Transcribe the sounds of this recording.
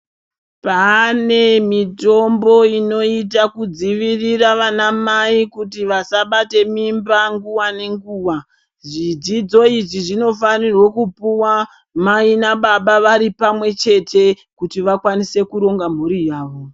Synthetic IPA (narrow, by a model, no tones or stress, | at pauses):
pane̞mito̞mbo̞ino̞itakud͡ziʋiriraʋanamaikutiʋasaɓate̞mimbaŋɡuwane̞ŋɡuːwa | ʐid͡zid͡zo̞iʐiʐino̞fanirwokupuwa | mainaɓaɓaʋaɾipamwe̞t͡ʃe̞tʰe̞ | kutiʋakwanise̞kuɾo̞ŋɡam̤uɾijaːʋo̞